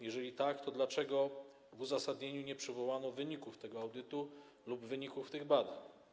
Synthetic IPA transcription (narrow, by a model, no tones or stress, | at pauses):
jɛʐɛlʲit̪akt̪ɔd̪lat͡ʂɛɡɔ | vuzasad̪ɲeɲuɲɛpʂɘvɔwanɔvɘɲikuft̪ɛɡɔawd̪ɘt̪u | lubvɘɲikuft̪ɘɣbad̪aɲ